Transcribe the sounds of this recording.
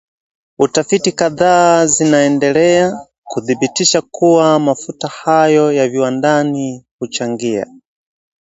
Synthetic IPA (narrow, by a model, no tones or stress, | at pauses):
utafitikaðazinaɛndɛlɛa | kuðibitiʃakuwamafutahajɔjaviwandanihut͡ʃaŋɡia̰